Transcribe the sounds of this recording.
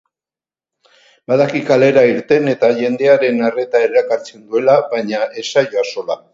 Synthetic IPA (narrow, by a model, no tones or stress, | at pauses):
baðakikale̞ɾaiɾt̪e̞ne̞t̪aʝe̞nd̪e̞aɾe̞nare̞t̪aeɾakaɾt͡send̪ue̞laβaɲaʔe̞sajoaso̞la